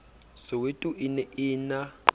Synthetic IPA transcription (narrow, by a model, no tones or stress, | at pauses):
sowetʼuʔinɛʔiːna